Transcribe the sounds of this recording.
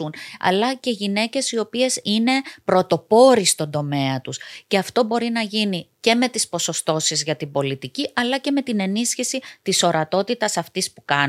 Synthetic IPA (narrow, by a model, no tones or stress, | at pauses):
unɐ̰lɐce̞ʝine̞ce̞sio̞pie̞sine̞pɾo̞t̪o̞po̞ɾist̪o̞nd̪o̞me̞ɐt̪usce̞ɐft̪o̞bo̞ɾinɐʝinice̞me̞t̪ispo̞so̞st̪o̞sizʝɐt̪ibo̞lit̪iciʔɐlɐce̞me̞t̪ine̞nisçisit̪iso̞ɾɐt̪o̞t̪it̪ɐsɐft̪ispukɐ